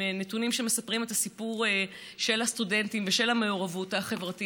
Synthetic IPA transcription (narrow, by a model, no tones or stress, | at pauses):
netunimʃeme̞sapʁimet̪asipuʁ | ʃe̞lhastude̞ntimveʃe̞lame̞oʁavutaχe̞vʁati